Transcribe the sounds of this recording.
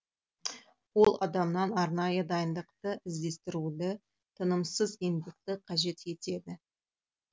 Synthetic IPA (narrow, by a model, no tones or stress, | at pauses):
wo̞lˠɑd̪ɑmnɑnɑɾnɑjəd̪ɑjənd̪əqt̪əʔɪzd̪e̞st̪ɪɾulɪ | t̪ʰənəmsəzend̪ɪk̚t̪ɪqʰɑʒe̞t̪e̞t̪e̞d̪ɪ